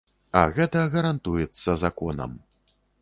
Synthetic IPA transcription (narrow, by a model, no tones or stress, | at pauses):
ɐ̰ɣɛt̪ɐɣɐɾant̪ujɛt̪sːɐzakɔnɐ̰m